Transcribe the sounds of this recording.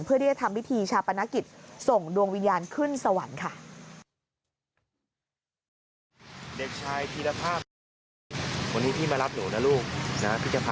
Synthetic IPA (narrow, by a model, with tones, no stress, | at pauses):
npʰɯ˥˩da˥˩a˨˩t̪ʰa˧mwi˦˥t̪ʰiː˧t͡ɕʰaː˧pa˧na˦˥ki˨˩t̪̚so˨˩ŋdu˧əŋwi˧njaː˧nkʰɯ˥˩nsa˧wa˩˦nkʰa˥˩ | de˨˩k̚t͡ɕʰaː˧jt̪ʰiː˧la˧pʰaː˥˩ | wa˧nːiː˦˥t̪ʰiː˥˩maː˧la˦˥p̚nuː˩˦na˦˥luː˥˩k̚na˦˥pʰi˦˥t̪̚ːa˧pʰa˧